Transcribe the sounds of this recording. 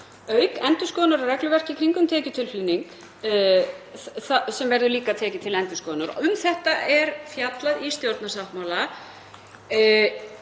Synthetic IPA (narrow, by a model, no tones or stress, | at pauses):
œːɥkɛnt̪ʏskɔːnʏɾrɛklʏvɛr̥cɪkʰɾiŋkʏmt̪ʰɛːcʏt̪ʰɪlfiːniŋk | θasɛmvɛɾðʏɾliːkat̪ʰɛːcɪt̪ʰɪlɛnt̪ʏskɔːnʏɾʏmθɛht̪aɛɾfjat̪laðist̪jowɾt̪nasawhp̪mawla